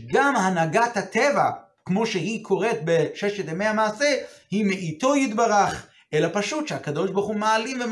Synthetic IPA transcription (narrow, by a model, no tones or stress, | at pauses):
ɡamhanaɡat̪hat̪eva | kmo̞ʃeɦikʰo̞ʁe̞t̪̚beʃeʃet̪emeamaːsehimeʔit̪o̞jit̪baʁaχ | ʔelapaʃut̪ʃehakad̪o̞ʃbaχumaalimve